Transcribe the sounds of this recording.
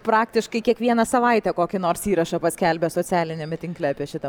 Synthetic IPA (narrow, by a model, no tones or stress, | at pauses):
pɾɑːkt̪ʲɪʃkɐɪkʲiɛkʋʲiɛnɐsɐʋɐɪt̪ʲɛkoːkʲɪnoːɾsiːɾɐʃɐpɐsʲkʲælʲbʲɛsoːt͡ssʲæːlʲɪnʲemʲɛt̪ʲɪŋklʲɛɑpʲiɛʃʲɪt̪ɐ